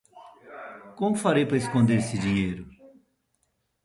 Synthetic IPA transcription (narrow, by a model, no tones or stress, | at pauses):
kõmʊfaɾejpɾɐeskõnd̪eɾesɪd͡ʒiɲejɾʊ